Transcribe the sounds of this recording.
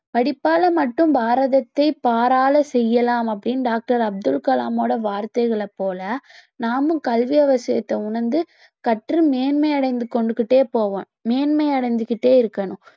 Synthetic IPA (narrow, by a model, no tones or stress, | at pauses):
pɐɽɪpːaːlɐmɐʈːɯ̃mbaːɾɐðɐt̪ːɐɪpaːɾaːlɐsɛjːɐlaːmɐp̬ːɐɽɪnɖaːk̚ʈɐɾɐb̚d̪ɯlkɐla̰ːmoːɽɐʋaːɾt̪ɐɪɣɐɭɐpːoːlɐnaːmɯ̃kɐlʋɪɐʋɐsɪjɐt̪ːɐʊɳɐɾnd̪ɯ | kɐʈrɯmeːnmɐɪɐɽɐɪnd̪ɯkɔɳɖɯkːɪʈːeːpoːʋɐ̰̃ː | meːnmɐɪɐɽɐɪnd̪ɯkːɪʈːeːɪɾɯkːɐnʊ̃